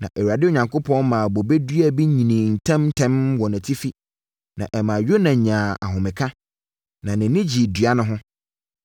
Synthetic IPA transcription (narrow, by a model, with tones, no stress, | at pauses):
nã˨ʔɛ˨wu˨a˨dɪ˦o˨ɲã˨ŋkʰʊ˦pʰɔ̃˦nmãː˨bo˨be˦dɥæ˨bi˦ɲĩ˨nĩ˨n̩˨tʰɛ̃˦m̩˦tʰɛ̃˦mwɔ˨næ̃˨tʰi˦fi˦ | nã̰˨ʔɛ˨mã˨ɥo˦nã˨ɲãː˨a˨ɦʊ̃˨mɪ̃˨kʰã˦ | nã˨nɪ̃˨nɪ̃˦d͡ʑi˨dɥa˦nʊ̃˦ɦʊ̃˦